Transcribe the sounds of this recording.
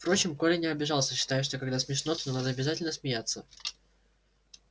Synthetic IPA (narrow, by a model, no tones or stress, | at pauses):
fpɾo̞t͡ɕɪmkolʲɪnʲɪɐbʲɪʐɑlˠsʲəɕːɪ̥t̪ajʊʂt̪o̞kɐɡd̪asmʲɪʂnot̪nonad̪əɐbʲɪzatʲɪlʲnəsmʲɪjat̪sːə